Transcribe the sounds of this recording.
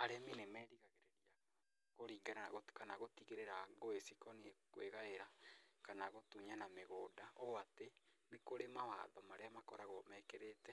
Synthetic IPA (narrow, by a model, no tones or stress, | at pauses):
aɾeminemɛːɾiɣaɣeɾeɾia | ɣoɾiːɡaɾaaɣokanaɣotiɣeɾeɾaɣoesikɔniekweɣaeɾakanaɣotuɲanameɣoːdaoatenekoɾemawa̰ːðɔmaɾeamakɔɾaɣomɛːkeɾetɛ